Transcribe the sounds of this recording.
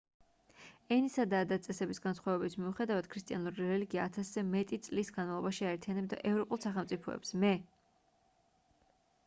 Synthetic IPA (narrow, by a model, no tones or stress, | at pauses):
ɛnisad̪aːd̪at̪sʼɛsɛbisɡansχwavɛbisʰmiuχɛd̪avad̪̥kʰɾist̪ʼianuɾiɾɛliɡiaːt̪ʰaszɛmɛt̪ʼit̪sʼlisɡanmavlˠɔbaʃiaɛɾt̪ʰianɛbd̪a̰ʔɛvɾɔpʼulˠsaχɛlˠmt̪sʼipʰɔ̰ɛ̰psmɛ